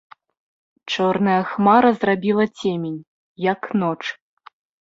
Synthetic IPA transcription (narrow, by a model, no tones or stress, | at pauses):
t͡ʂɔrnɐjɐxmaɾɐzrabʲilˠɐt͡sʲemʲenʲ | jɐknɔt͡ʂ